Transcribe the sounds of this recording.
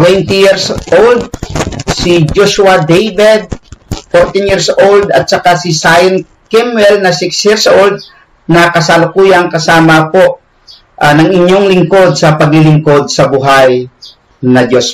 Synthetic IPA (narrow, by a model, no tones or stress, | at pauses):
wɛnt̪ijiɹsʔold̪̚sid͡ʒoʃwad̪ejbɛd̪̚foɾt̪ɪnjiɹsold̪ɐt̪̚t͡ʃɐkasɪsajn | kɪmwɛlnɐsɪksjiɹsʔold̪̚ | nɐkɐsalʊkujaŋkɐsaːmɐpoʔ | ʔanɐŋɪɲːoŋlɪŋkod̪̚sɐpɐɡlɪlɪŋko̞d̪̚sɐbʊɦaj | nɐd͡ʒos